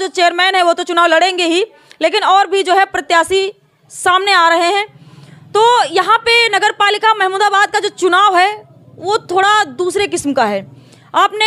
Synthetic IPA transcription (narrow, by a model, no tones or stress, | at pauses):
d͡ʒoːt͡ʃeːəɾmɛːnɦɛʋot̪ot͡ʃʊnaːʋlɐɽẽːŋɡeɦi | leːkɪnɔːɾbʱid͡ʒoːɦɛpɾɐt̪jaːsi | saːmneaːɾɐɦeɦɛ̃ːt̪oːjɐɦãpenɐɡəɾpaːlɪkamɛɦmuːd̪abaːd̪̚kad͡ʒoːt͡ʃʊnaːʋɦɛː | ʋot̪ʰoːɽad̪uːsɾekɪsmkaɦɛː | aːpne